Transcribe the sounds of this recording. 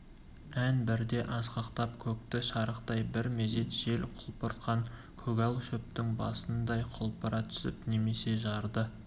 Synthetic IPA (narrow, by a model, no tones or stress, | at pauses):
ænbɪɾd̪e̞ʔɑsqɑqt̪ɑpkʲʰɵk̚t̪ɪʃɑɾəqt̪ɑjbɪɾme̞ze̞t̪ʒ̥e̞lqʰʊlˠpəɾt̪qɑŋ | kʲʰɵɡʲɑlˠʃɵp̚t̪ɪŋbɑ̰sənd̪ɑjqʰʊlˠpʰɑɾɑt̪ʰʏ̥sɪ̰pne̞me̞se̞ʒɑɾd̪ə